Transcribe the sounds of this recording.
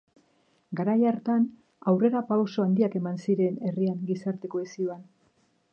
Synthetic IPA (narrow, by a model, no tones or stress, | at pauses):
ɡaɾajaɾt̪an | awre̞ɾapawso̞and̪iake̞mansiɾe̞ne̞riaŋɡisaɾt̪e̞ko̞esioan